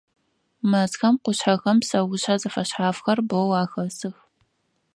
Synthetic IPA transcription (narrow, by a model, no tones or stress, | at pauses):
mɐzxɐmqʷʊɕħɐxɐmsɐwʊɕħazɐfɐɕħaːfxɐrbowaːxɐsɨx